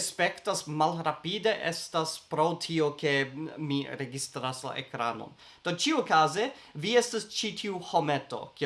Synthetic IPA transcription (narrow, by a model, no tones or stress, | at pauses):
spe̞ktasmalɾapide̞ʔḛstaspɾotʰio̞ke̞miɾeɡistɾasla̰ʔḛkɾa̰no̰n | d̥o̞t͡ʃiuokaze̞ | viestast͡ʃitʰiuho̞me̞to̞̰k